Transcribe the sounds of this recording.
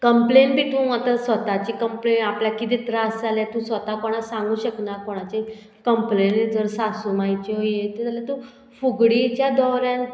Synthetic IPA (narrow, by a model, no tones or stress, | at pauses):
kəmplenbʱiːt̪ũːmət̪əsʋət̪at͡ɕikəmplenapljakit̪ĩt̪ɾasd͡zaljat̪ũsʋət̪akoɽ̃asãŋɡũːɕəknakoɽ̃at͡ɕe | kəmplend͡zəɾsasumajt͡ɕeɦojet̪ət̪alat̪ũ | fuɡɽit͡ɕjad̪ɔwɾjãn